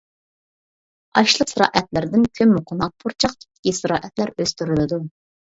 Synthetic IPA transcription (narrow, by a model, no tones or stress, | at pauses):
ɑʃlˠəqsɨɾɑ̰ːʔɛt̪lɪɾd̪ɪnkʲʰømːuqʰʊnɑq̚pʰuɾt͡ʃʰɑq̚t̪ʰɪ̥p̚t̪ɪ̥kʲisɨɾɑ̰ːʔɛt̪læɾøst̪yɾɪlɪd̪u